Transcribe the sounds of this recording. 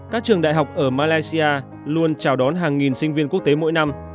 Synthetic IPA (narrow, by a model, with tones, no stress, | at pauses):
kaː˦˥k̚t͡ɕɨ˨˩əŋɗa̰ː˧˨jɦa˨˩wk͡p̚ʔəː˧˩maː˧laː˧jsi˧ʔaː˧ | lu˧ənt͡ɕaː˧˩wɗɔ˨˦nɦaː˨˩ŋːi˨˩nsï˧ŋ̟vi˧ənku˦˥ək̚t̪e˨˦mo̰˧˥jna˧m